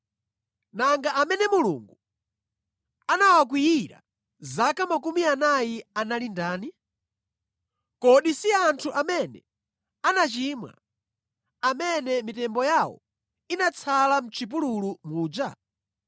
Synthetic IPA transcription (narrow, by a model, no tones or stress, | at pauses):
naŋɡaʔamɛnɛmulṵŋɡu | anawak̬wiiɾa̰ | zakamakumianajianalindaːni | kɔɗisiantʰuʔamɛnɛ̰ | anat͡ʃiːmwa̰ | amɛnɛmitɛmbɔjawɔ̰ | inat͡sʰalam̩t͡ʃʰip̬ululumuːd͡ʒa̰